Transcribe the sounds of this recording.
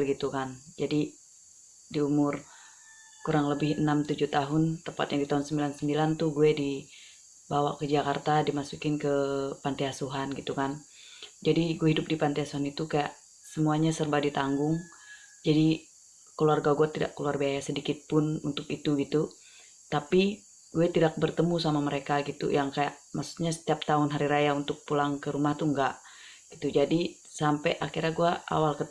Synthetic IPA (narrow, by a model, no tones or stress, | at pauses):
lɡit̪ukand͡ʒadi | diumʊr | kuɾaŋləbɪhənamt̪ud͡ʒuht̪aɦʊnt̪əmpat̪jaŋdit̪aɦʊnsəmbilansəmbilant̪uhɡuɛdi | bawakəd͡ʒakart̪adimasukɪnkəpant̪iasuɦanɡit̪ukan | d͡ʒadiɡuɛɦidʊp̚dipant̪iasuɦanit̪ukaja̰ʔ | səmuaɲasərbadit̪aŋɡʊŋ | d͡ʒadi | kəluarɡaɡuat̪ida̰ʔkːəluarbiajasədikɪt̪̚pʊnṵnt̪ʊkit̪uɡit̪u | t̪api | ɡuɛt̪idak̚bərt̪əmusamaməɾekaɡit̪ṵjaŋkajaʔmaksu̥ɲasə̥t̪iap̚t̪aʊnɦaɾiɾajaunt̪ʊk̚pulaŋkəɾumaht̪uŋɡaʔ | ɡ̥it̪ud͡ʒadi | sampɛʔakiraɡuaa̰walkə